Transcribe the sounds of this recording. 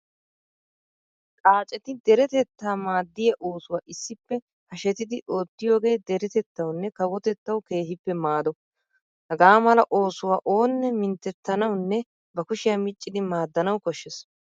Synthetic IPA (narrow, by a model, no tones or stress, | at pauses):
kʼaːt͡ʃʼɛt̪ɪd̪ɛɾɛt̪ɛt̪ːaːmaːd̪ːɪjɐʔo̞ːsʊwaːʔɪsːɪpːɛ | hɐʃɛt̪ɪd̪ɪʔo̞ːt̪ːɪjo̞ːɡe̞ːd̪ɛɾɛt̪ɛt̪ːɐwnːɛkɐwɔt̪ɛt̪ːɐwke̞ːhɪpːɛmaːd̪ɔ | hɐɡaːmɐlɐʔo̞ːsʊwaːʔo̞ːnːɛmɪnt̪ːɛt̪ːɐnɐwnːɛ | bɐkʊʃɪjamɪt͡ʃʼːɪd̪ɪmaːd̪ːɐnɐwkɔʃːɛs